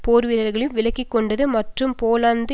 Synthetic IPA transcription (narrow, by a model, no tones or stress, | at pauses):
poːɾʋɪɾɐɾɣɐɭɪlʋɪlɐkːɪkːɔɳɖɐðɯmɐʈrɯmpoːlaːnd̪ɯ